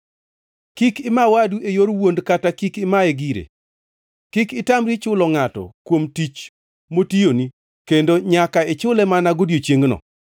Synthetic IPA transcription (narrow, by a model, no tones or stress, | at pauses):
kikɪmawaduʔejoɾwondkatakikɪmaeɡiɾḛ | kikɪtamɾit͡ʃʊlɔŋatɔ̰kwomtit͡ʃ | motijoni | kendoɲakaɪt͡ʃʊlɛmanaɡodjot͡ʃjeŋɡnɔ̰